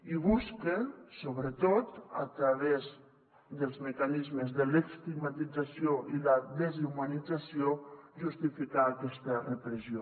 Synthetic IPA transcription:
iβuskesoβɾət̪ot̪a̰t̪ɾaβɛz | d̪əlˠzməkanizməzðəlekst̪iɡmat̪id͡zasijoʔilaðezumanid͡zasioʒust̪ifikaːkɛst̪ərəpɾəzio

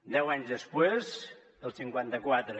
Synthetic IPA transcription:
d̪ɛwaɲzðəspwez | əlˠsiŋkwant̪əkwat̪ɾə

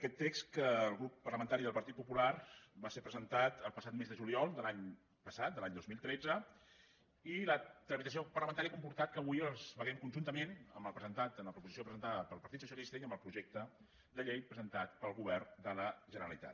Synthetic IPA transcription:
əkɛt̪ːekskəːlˠɣɾupːərləmənt̪aɾiðəlˠpəɾt̪it̪̚pupularbasepɾəzənt̪at̪əlˠpəsat̪mezðəʒuliɔlˠd̪əlaɲ | pəsat̪̚d̪əlaɲd̪ozmilˠt̪ɾɛd͡zə | ilət̪ɾəmit̪əsiopərləmənt̪aɾiəakumpuɾt̪at̪̚kəːβujəlˠzβəɣɛmkunʲʒunt̪əmenə̰mbəlˠpɾəzənt̪at̪ənləpɾupuzisjopɾəzənt̪aðəpəlˠpəɾt̪it̪susjəlist̪əiəmbəlˠpɾuʒɛk̚t̪ə | d̪əʎejpɾəzənt̪at̪pəlˠɣuβɛrd̪ələʒənəɾəlit̪a̰t̪

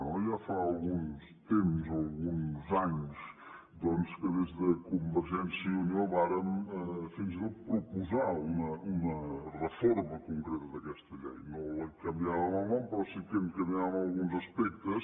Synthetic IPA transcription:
ɐ̃w̃ʒafaːlˠɣuns | t̪empuzoalˠɣunzaɲuʃ | d̪ɔnskɨðezðɐkumbəɾʒɛnsjɐunioβaɾɐmɛfinzpɾupuzaunɐunɐrəfɔɾmɐkuŋkɾɛt̪ɐðɐkɛʃt̪ɐʎɛ̰jnõlɐkɐmbiaβɐmamãwpɾɔsikenkɐmbiaβɐmalˠɣũnzɐspɛk̚t̪ɐs

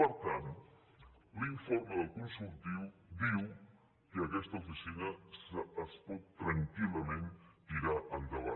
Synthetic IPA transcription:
pəɾt̪ant̪ | liɱfoɾməðəlˠkunsulˠt̪iwd̪iw | kəəkɛst̪əufisinəsːspɔt̪ːɾəŋkiləmẽnt̪iɾaʔənd̪əβa̰

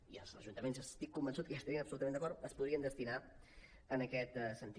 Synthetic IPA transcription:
iə̰lˠzəʒunt̪əmenzəst̪ikːumbənsut̪̚kəast̪əɾinəpsulut̪əmend̪əkɔɾt̪əspuðɾiənd̪əst̪ina | ənəkɛt̪sənt̪i

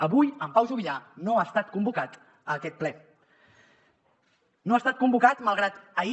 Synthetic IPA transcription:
əβujəmpawʒuβiʎanoast̪at̪̚kumbukat̪ | əːkɛt̪̚plɛ | noast̪at̪̚kumbukat̪məlˠɣ̞ɾat̪əi

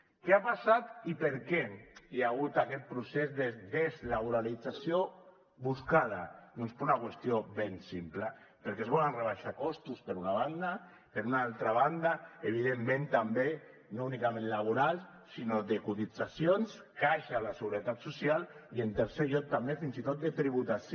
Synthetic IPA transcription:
keapasat̪ipeɾkɛiaɣut̪akɛt̪̚pɾusezðeðezlaβuɾalid͡zasjo | βuskað̞aðɔnspɾunakwest̪ioβensimpla | pəɾkezβɔlanreβ̞aʃakɔst̪uspeɾunaβ̞and̪a | peɾunaalˠt̪ɾaβand̪aeβ̞ið̞emːẽnt̪ambe | nounikamẽnlaβ̞uɾalˠs | sinoðekut̪id͡zasjons | kaʃalaseɣuɾet̪at̪susialient̪eɾseʎɔk̚t̪ambefinzit̪ot̪̚d̪et̪ɾiβ̞ut̪as

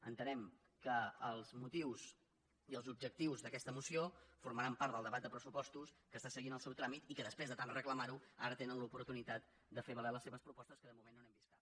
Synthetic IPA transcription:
ə̰nt̪ənɛm | kəːlˠzmut̪iws | iəlˠzub̚d͡ʒək̚t̪iwzðəkɛst̪əmusiofuɾməɾampaɾt̪d̪əlˠd̪əβat̪̚d̪əpɾəsupɔst̪uskəst̪asəɣinəlˠsɛwt̪ɾamit̪ikəðəspɾezðət̪anrəkləmaɾuaɾət̪enənlupuɾt̪unit̪at̪̚ | d̪əfeβəleləseβəspɾupɔst̪əskəðəmumenːonɛmbiskat̪

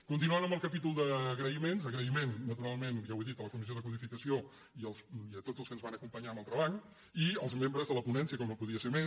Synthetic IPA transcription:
kunt̪inuənəmbəlˠkəpit̪ulˠd̪əɣɾəimenzəɣɾəimenːət̪uɾalˠmenʒaweðit̪ələkumizioðəkuðifikəsio | iəlˠsiət̪odd͡zəlˠkənzβanəkumpəɲambalˠt̪ɾəβaɲ | iəlˠzmembɾəzðələpunɛnsiəkɔmnopuðiəseɾme

